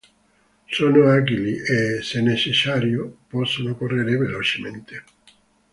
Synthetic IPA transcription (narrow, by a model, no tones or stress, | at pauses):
soːnoaɡiliʔesenːet͡ʃesːaːɾjopɔsːonokorːeɾevelot͡ʃement̪e̥